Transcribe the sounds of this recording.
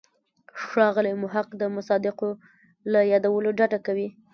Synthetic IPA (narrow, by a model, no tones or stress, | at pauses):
ʃɑɣəlimʊɦaqd̪əmʊsɑd̪ɪqo | lajɑd̪awəloɖaʈakawi